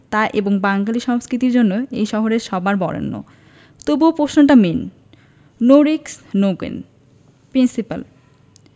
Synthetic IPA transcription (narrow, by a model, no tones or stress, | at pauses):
t̪aʔeboŋbaŋɡaliʃɔŋskɾit̪iɾd͡ʑonːoejʃɔɦoɾeɾʃɔbaɾbɔ̰ɽḛnːo̰ | t̪obupɾoʃnoʈamen | noɾiksnoɡḛn | pɾinsipa̰l